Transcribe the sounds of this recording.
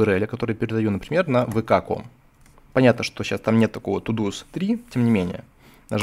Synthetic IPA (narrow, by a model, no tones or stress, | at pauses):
ɨɾɛlʲɪkɐt̪o̞ɾɨjəpʲɪɾʲɪd̪ɐjunəpɾʲɪmʲe̞rnəvɨkako̰m | pɐnʲat̪nəʂt̪o̞ɕast̪amnʲe̞t̪ːɐkovət̪ʊd̪ust̪ɾʲitʲemnʲɪmʲenʲɪ̰jə̰ | nɐʐ